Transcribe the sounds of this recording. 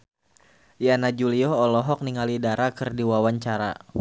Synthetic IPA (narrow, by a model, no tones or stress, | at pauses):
janad͡ʒuliɔɔlɔɦɔk̚niŋalidaɾakɨrdiwawaɲt͡ʃaɾa̰